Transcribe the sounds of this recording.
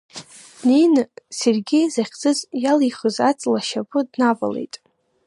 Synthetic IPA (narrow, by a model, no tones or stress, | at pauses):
nejnɨserɡʲɪjzaχʲd͡zɨzjalijχəzat͡sʼlaʃapʼɨdnava̰lḛjtʼ